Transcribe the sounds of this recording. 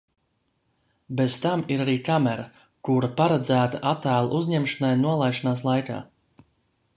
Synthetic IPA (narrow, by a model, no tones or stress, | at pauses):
bezt̪amiɾaɾiːkamɛɾa | kuɾapaɾad̪zæːt̪aʔat̪æːlˠa̰ʔuzɲɛmʃanajnuɔlˠajʃanaːslˠajka̰ː